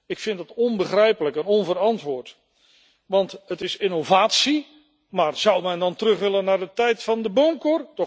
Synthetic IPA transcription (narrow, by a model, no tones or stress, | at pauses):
ɪkfɪndɑtɔnbəχrɛjpələkənɔnvəɾɑntʋʊːɹt | ʋɑntətɪsɪnovaːtsi | maːrzʌwmɛndɑntərɵχʋɪlənːaːɹdətɛjtfɑndəbomkordɔ